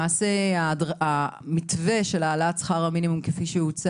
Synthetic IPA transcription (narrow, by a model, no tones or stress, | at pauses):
aːse̞adamitve̞ʃe̞laːlat͡sχaʁaminimumkefiʃehut͡s